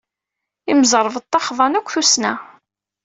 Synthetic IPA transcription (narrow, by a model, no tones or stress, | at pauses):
iməzəɾˤəv̚t̪ˤːɑχðˤɑnækʷːθusnæ